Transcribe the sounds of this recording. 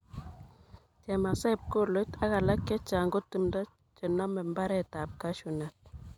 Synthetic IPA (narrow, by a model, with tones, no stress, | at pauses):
t͡ʃɛ˨ma˨sɛ˦˨p̚ko˦˨lo˦ta˦ka˨la˦kɛ˦t͡ʃa˨ŋɡo˦ti˨mdɔ˦ | t͡ʃɛ˨nɔ˦mɛ˨mba˦ɾɛ˦ta˨p̚ka˦ʃu˨nɛ˨t̚